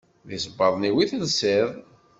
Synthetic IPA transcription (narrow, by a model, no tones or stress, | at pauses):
ðisəbːɑðˤniwiθəlsɪðˤ